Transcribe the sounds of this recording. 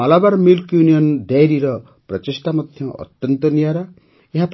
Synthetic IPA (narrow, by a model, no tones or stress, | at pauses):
alabaɾmilkjunijɔnd̪ajɾiɾɔ | pɾɔt͡ʃesʈamɔd̪ʱjɔʔɔ̰t̪jɔnt̪ɔnijaɾa | eɦap